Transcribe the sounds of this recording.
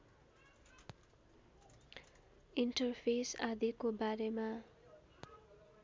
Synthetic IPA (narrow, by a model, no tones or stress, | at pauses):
iɳʈʌrpʰesad̪ikobaɾema